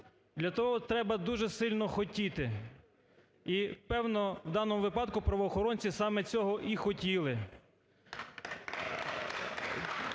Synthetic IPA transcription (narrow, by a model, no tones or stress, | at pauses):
d̪lʲɐt̪ɔɦɔt̪ɾɛbɐd̪uʒɛsɪlʲnɔxɔtʲit̪ɪ | ipɛwnɔwd̪ɑnɔmʊʋɪpɑd̪kʊpɾɐʋɔːxɔɾɔnʲt͡sʲisɑmɛt͡sʲɔɦɔʔixɔtʲilˠɪ